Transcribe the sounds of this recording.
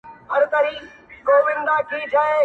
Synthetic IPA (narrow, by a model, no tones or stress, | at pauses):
ɦɐɾt̪ɐɾiː | koːbɪ̃nd̪aːkʰiːd͡ʒʰʱɐeː